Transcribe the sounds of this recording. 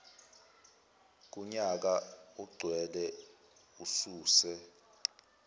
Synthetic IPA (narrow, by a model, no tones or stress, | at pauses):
k̬ʼuɲak̬auɡ͡ǀʱwɛlɛ | usuːsɛ